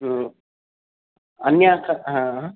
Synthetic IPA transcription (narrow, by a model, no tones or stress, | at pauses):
ɦ | ɐnjaːkʰɐɦã